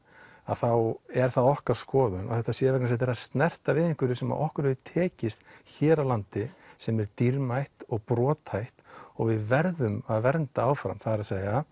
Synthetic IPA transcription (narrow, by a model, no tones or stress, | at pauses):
aðθawɛɾ̥θaðɔhkaɾ̥skɔːðʏna̰θɛht̪ːasjɛːvɛknas̬ɛt̪̬ɛɾast̪nɛr̥t̪avɪːðiŋ̥kʏɾɪsɛma̰ðʔɔhkʏɾɛðʏt̪ʰɛːcɪst̪çɛːɾawlant̪ɪsɛmɛɾt̪iɾmajht̪ɔɣpɾɔːt̪ʰhajht̪ɔɣvɪðvɛɾðʏmaðvɛɾnt̪aaːwfɾa̰mθaðɾaseːja